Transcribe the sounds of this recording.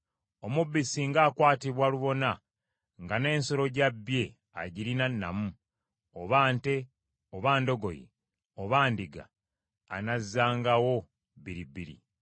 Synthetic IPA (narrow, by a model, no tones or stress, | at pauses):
o̞mubːisiŋɡaːkwaːtiβwaluβo̞na | ŋɡane̞ːnso̞ɾo̞ɟabːje̞ | a̰ɟiɾinanːa̰mu | oβaːnte̞ | oβaːndo̞ɡo̞̰jḛ | oβaːndiɡa̰ː | nazːaːŋɡawo̞ | βiɾibiɾḭ